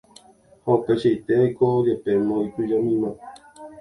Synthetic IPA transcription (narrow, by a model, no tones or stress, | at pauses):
hopeʃejt̪eajkod͡ʒepemõikɨd͡ʒamĩmã